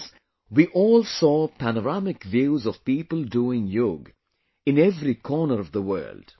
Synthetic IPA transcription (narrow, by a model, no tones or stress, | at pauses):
wiʔɔːlsɔːpʰænəɾamɪkvjuːzɔv̥piːpəlduːɪ̃ŋjʊɡ | ɨ̃nɛvɾikʰɔːnəɾʌvðəwɜ̰ːld̥